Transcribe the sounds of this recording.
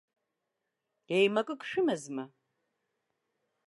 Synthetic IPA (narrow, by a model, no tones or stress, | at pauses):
ejmɐkʼɨkʼʃɪmɐzmɐ